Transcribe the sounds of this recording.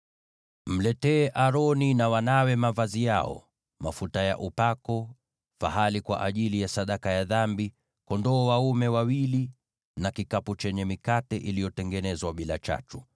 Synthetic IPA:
m̩lɛtɛːʔaɾɔninawanawɛmavazijaɔ̰ | mafutaja̰ʔupakɔ | fa̰ɦalikwa̰ʔaʄilijasaɗakajaðambi | kɔndɔːwaumɛwawili | nakikaput͡ʃɛɲɛmikatɛʔilijɔtɛŋɡɛnɛzwaɓila̰t͡ʃa̰tu̥

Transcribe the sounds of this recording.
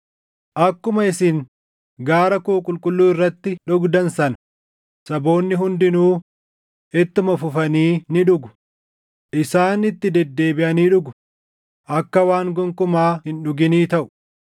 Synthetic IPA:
ʔɐkːʊmɐɪsɪŋ | ɡaːɾɐkuːkʼʊlkʼʊlːuːɪrːɐt̪ːɪᶑʊɡd̪ɐnsɐnɐ | sɐbo̞ːnːɪɦʊnd̪ɪnuː | ʔɛt̪ːʊmɐfʊfɐniːnɪᶑʊɡʊ̥ | ʔɪsaːnɪt̪ːɪd̪ɛd̪ːe̞ːbɪʔɐniːᶑʊɡʊ | ʔɐkːɐwaːŋɡʊŋkʊmaːhɪnᶑʊɡɪniːt̪ɐʔʊ̥

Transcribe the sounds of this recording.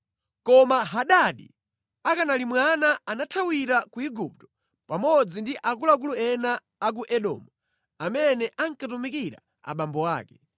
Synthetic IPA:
kɔmaɦaɗaɗḭ | akanalimwanaanatʰawiɾakuiɡup̚tɔ̥ | pamɔd͡zindiʔakulak̬uluɛnaː | k̬uʔɛɗɔ̰ːmu | amɛnɛʔaŋ̩katumikiɾa̰ | a̰ɓambɔwa̰ːkɛ

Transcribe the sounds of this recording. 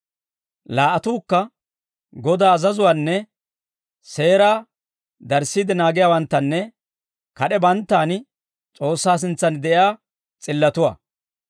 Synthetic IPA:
laːʔɐt̪uːkːɐ | ɡɔd̪aːzɐzʊwaːnːɛ | se̞ːɾaː | d̪ɐɾsiːd̪ɪnaːɡɪjaːwɐnt̪ːɐnːɛ | kɐɗɛbɐnt̪ːaːn | t͡sʼo̞ːsːaːs̬ɪnt͡sːɐnd̪ɛʔjaː | t͡sʼɪlːɐt̪ʊwa̰ː

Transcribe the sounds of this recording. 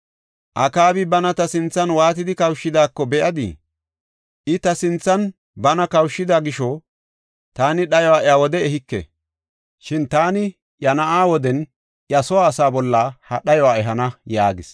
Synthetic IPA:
ʔɐkaːbɪbɐnɐt̪ɐsɪnt͡sːɐnwaːt̪ɪd̪ɪkɐwʃːɪd̪aːkːɔbɛʔɐd̪ɪ̰ | ʔɪt̪ɐsɪnt͡sːɐn | bɐnɐkɐwʃːɪd̪aːɡɪʃɔ | t̪aːnɪɗɐjɔwaːʔawɔd̪ɛɛhɪkːɛ̰ | ʃɪnt̪aːnɪ | jɐnɐʔaːwɔd̪ɛn | jɐsɔwaːsaːbɔlːaːhɐɗɐjɔwaːɛɦɐnɐjaːɡɪs

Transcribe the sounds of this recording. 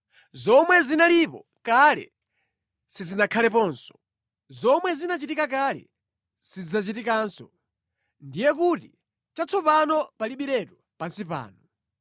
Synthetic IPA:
zɔmwɛzinalipɔ | kalɛ̰ | sizinakʰalɛpɔnsɔ̥ | zɔmwɛzinat͡ʃitikak̬alɛ̰ | sid͡zat͡ʃitikaːnsɔ | ndijɛkuti | t͡ʃat͡sʰɔpanɔpaliɓiɾɛtɔ | pansipa̰ːnɔ

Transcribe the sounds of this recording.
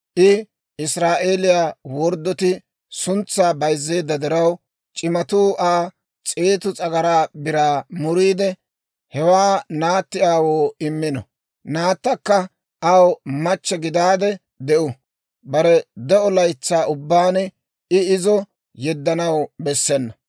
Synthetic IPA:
ʔɪ | ɪsɾaːʔeːlɪjaːwɔɾd̪ːɔt̪ɪ | sʊnt͡sːaːbɐjzːe̞ːd̪ːɐd̪ɛɾɐw | t͡ʃʼɪmɐt̪uːʔaː | t͡sʼeːt̪ʊt͡sʼɐɡɐɾaːbɪɾaːmʊɾiːd̪ɛ | hɛwaːnaːt̪ːɪaːwoːɪmːɪnɔ̰ | naːt̪ːɐkːɐ | ʔɐwmɐt͡ʃːɛɡɪd̪aːd̪ɛ | d̪ɛʔʊ | bɐɾɛd̪ɛʔɔlɐjt͡sːaːʔʊbːaːnɛ | ɪɪzɔ | jɛd̪ːɐnɐwbɛsːɛnːɐ

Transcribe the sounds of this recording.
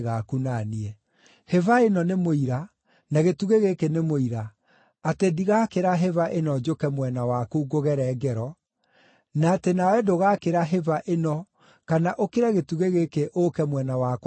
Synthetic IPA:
ɣakunaniɛ | hevaenɔnemoiɾa | naɣetuɣeɣekenemoiɾaː | tediɣakeɾaɦevaʔenɔd͡ʒokɛmwɛnawakuuɡoɣɛɾɛːɡɛɾɔ | naːtenawɛdoɣakeɾaɦevaʔenɔ | kanaʔokeɾɛɣetuɣeɣekeʔokɛmwɛnawak

